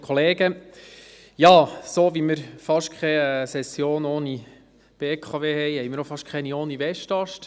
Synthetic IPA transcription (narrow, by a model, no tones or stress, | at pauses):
kʰɔleːɡə | jɑːsoːʋiməɾfɑʃkʰχɛɛsɛsjoːnoːni | b̥eːkʰɑʋeːhɛjhɛjmɪɾofɑʃkʰɛnioːniʋɛʃtɑʃt